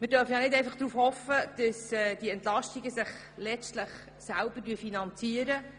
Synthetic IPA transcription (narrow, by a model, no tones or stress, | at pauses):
mɪd̥œːɾfəjɑnɪdɛjfɑχd̥ɾuːfhɔfəd̥əsɛd̥iɛnt̪lɑʃtiɡəsɪχ | lɛstləχ | sælb̥ədyːəfinɑnt͡siəɾə